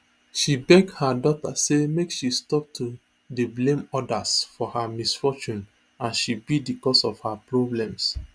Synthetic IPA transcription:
ʃibɛɡhadɔtasemekʃistɔp̚tʰu | deblẽmɔdasfɔhamisfɔt͡ʃũn | ãnʃibidikɔsɔfhapɹɔblɛ̃ms

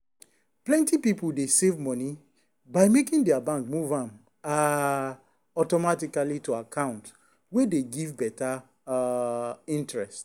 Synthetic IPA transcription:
plɛ̃ntipipuldesevmɔni | baɪmekĩŋdɛabãŋkmuvãm | a | ɔtɔmatikalituakʰãʊ̃nt | wedeɡivbɛta | ĩntɹɛst

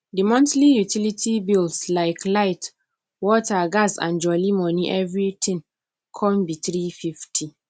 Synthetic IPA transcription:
dimɔ̃ntlijutilitʰibildslaɪklaɪt | wɔtʰaɡasã̰nd͡ʒɔlimɔ̃niʔɛvɹit̪ʰɪ̃ŋ | kʰɔ̃mbitɾififtʰi

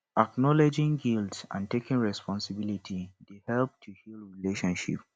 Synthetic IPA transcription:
aknɔled͡ʒɪ̃ŋɡiltsã̰ntekĩnɹɛspʰɔ̃nsibilitʰidehɛlp̚tʰuhilɹileʃɔ̃nʃḭp

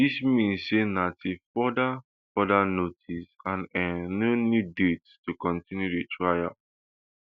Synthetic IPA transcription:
dismĩnssenatefɔda | fɔdanotʰisãnɛnonudetstukɔ̃ntĩnjudetʰɹaja̰

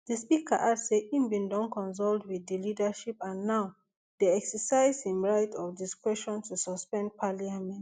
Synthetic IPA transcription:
ð̥əspikʰa̰ʔadseĩmbĩndɔ̃nkɔ̃ns̬ɔldwiðəlidaʃipãnːaʊ | deɛksəsaɪzĩnɹaɪtʰɔfdiskɹɛʃɔ̃ntʰusɔspɛ̃nd̚pʰaliamɛ̃nt

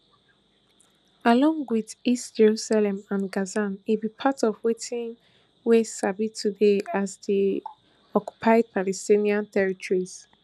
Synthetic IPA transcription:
alɔ̃ŋɡwiðistd͡ʒɛɹusalɛ̃mãnɡazanibipʰatɔvwetʰĩn | wesabitudeazði | ɔkju̥pʰaɪd̚palɛstĩniãntɛɹitɔɹiz̥

